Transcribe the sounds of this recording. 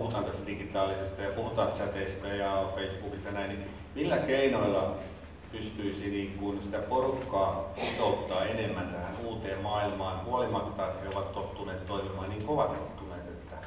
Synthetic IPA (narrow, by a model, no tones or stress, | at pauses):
uhut̪ɑːnt̪ɑst̪æd̥iɡit̪ɑːlːisest̪ɑjɑpuhut̪ɑːnt̪t͡ʃæt̪eist̪æjɑfeisb̥uːkist̪ɑjɑnæinni | milːækeinoilːɑ | pyst̪yisiniːŋkunsit̪æporukːɑːsit̪out̪ːɑːenemːænt̪æhænuːt̪eːmmɑːilmɑːnhuolimɑt̪ːɑːt̪heoʋɑt̪t̪ot̪ːuneːt̪t̪oimimɑːnniːŋkoʋɑt̪et̪ːuneːt̪et̪ːæ